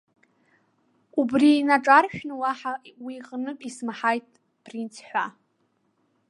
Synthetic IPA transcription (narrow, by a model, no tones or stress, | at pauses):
ubriːnaʈ͡ʂʼarʃᶣnɨwaħawiqʼnɨpʼismaħajtʼ | pʰʼrintʰħʷa